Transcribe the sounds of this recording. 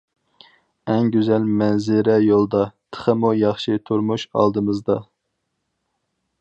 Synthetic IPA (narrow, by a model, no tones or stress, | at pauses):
ɛŋɡʲyzɛlmɛnzɪɾɛjolˠd̪ɑt̪ʰə̥χəmujɑχʃit̪ʰuɾmuʃɑ̰lˠd̪ɨmɨzd̪ɑ